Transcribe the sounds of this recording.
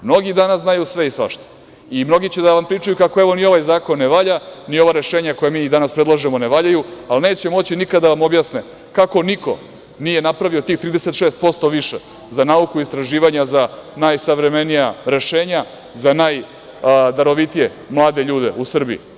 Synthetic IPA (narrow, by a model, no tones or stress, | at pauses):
mno̞ɡid̪anasznajusʋe̞isʋa̰ʃt̪o̥ | imno̞ɡit͡ɕed̪aʋampɾiːt͡ʂajukakoeʋo̞nio̞ʋajzaːkonːeʋaʎanio̞ʋaɾe̞ʃeːɲako̞jemiːd̪anaspɾe̞d̪lˠaʒemo̞neʋaːʎajualneːt͡ɕemo̞t͡ɕinikad̪aʋamo̞bjaːsne | kako̞niko̞̰ | nije̞napɾaʋio̞t̪iːxt̪ɾiːd̪ese̞t̪ʃeːst̪̚po̞st̪o̞ʋiʃe | zanaukuist̪ɾaʒiːʋaɲazanajsaʋɾe̞me̞nijaɾe̞ʃe̞ːɲa | zanaːj | d̪aɾo̞ʋit̪ije̞ | mlˠaːd̪e̞ʎuːd̪e̞̰usr̩bii